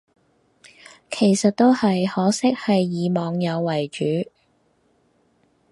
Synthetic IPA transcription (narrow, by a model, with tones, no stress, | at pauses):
kʰe˨˩jsɐ˨t̚t̪o˥whɐ˨jhɔː˨˥sɪ˥k̚hɐ˨jːiː˨˧mɔː˨˧ŋjɐ˨˧wːɐ˨˩jt͡ʃyː˨˥